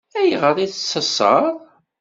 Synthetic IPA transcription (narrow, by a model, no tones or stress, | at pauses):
æjʁəɾˤiθsːəsˤə̰ɾˤ